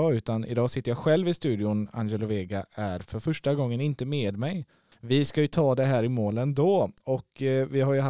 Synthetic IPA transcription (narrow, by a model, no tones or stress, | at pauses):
ʉ̟ːt̪anʔɪ̰d̪ɑːsɪt̪ːəɾjaɧɛlvɪst̪ʉ̟ːd̪ɪʊna̰njɛlʊveːɡaʔæɾfœɾfœʂʈaɡɔŋːənɪnt̪əmeːd̪mɛj | vɪskajɵt̪ʰɑːd̪ɛɦæːɾɪmoːlənd̪oːɔkvɪɦaɾjɵha